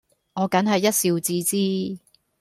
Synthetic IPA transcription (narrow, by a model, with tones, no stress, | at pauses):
ŋɔː˨˧kɐ˨˥nɦɐ˨jːɐ˥t̚siː˧wt͡siː˥t͡siː˥